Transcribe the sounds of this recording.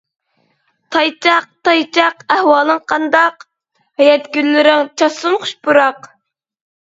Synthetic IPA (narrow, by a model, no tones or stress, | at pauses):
t̪ʰɑjt͡ʃʰɑq̚t̪ɑjt͡ʃʰɑqæhwɑːlˠɨŋqʰɑnd̪ɑq | hɛjɛt̪ɡʲynlɪɾɪŋt͡ʃʰɑsʊnχʊ̥ʃpuɾɑq